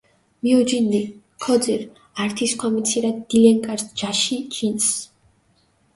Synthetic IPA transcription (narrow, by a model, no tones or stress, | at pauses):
miɔd͡ʒinːi | kʰɔd̪ziɾ | aɾt̪ʰiskʰwamit̪sʰiɾad̪d̪̥ilɛŋkʼaɾsd͡ʒaʃit͡ʃʼins